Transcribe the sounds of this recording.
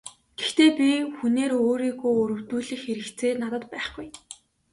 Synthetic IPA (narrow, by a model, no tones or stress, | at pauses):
ɡ̥ext̪eːpʲixuneːɾoːɾiːɣujɵɾɵ̆w̥t̪uːɮĭxxeɾɘ̆kt͡sʰeːnat̪ə̆t̪pæːχɡuj